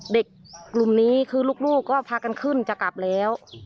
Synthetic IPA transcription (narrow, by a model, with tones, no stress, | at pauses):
de˨˩kː | lu˨˩mniː˦˥kʰɯː˧luː˥˩k̚luː˥˩kkːɔː˥˩pʰaː˧ka˧nkʰɯ˥˩nt͡ɕa˨˩ka˨˩p̚lɛː˦˥w